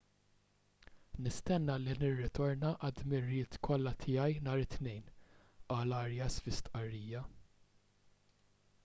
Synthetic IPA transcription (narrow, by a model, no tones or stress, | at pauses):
nɪst̪ɛnːɐlinɪrːɪt̪ɔɾnɐʔɐd̪mɪɾːɪːt̪kʰɔlːɐt̪ʰɪjɐjnɐːɾɪt̪nɛjn | ʔɐːlɐːɾjɐsfɪst̪ʔɐrːiːjɐ